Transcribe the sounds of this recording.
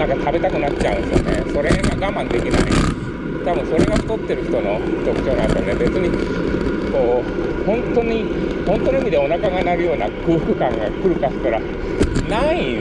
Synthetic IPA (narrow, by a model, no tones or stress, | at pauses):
ãŋkat̪ʰabe̞t̪akɯnat͡ɕt͡ɕːaɯ̃sjo̰nḛso̞ɾe̞ɡaɡamãnd̪e̞kʲina̰ḭ | t̪abɯ̟̃so̞ɾe̞ɡaçi̥t̪o̞t̪ːe̞ɾɯ̟çi̥t̪o̞no̞̰t̪o̞kɯ̟̥t͡ɕo̞ːnã̰nenebe̞t͡sɨɲ̟i | ko̞ːhõ̞nt̪o̞ɲ̟i | hõnt̪o̞noimʲid̪e̞o̞nakaɡanaɾɯ̟jo̞ːna̰kɯ̟ːkɯ̟kãŋɡa̰kɯ̟ɾɯ̟kaskaɾa | naĩ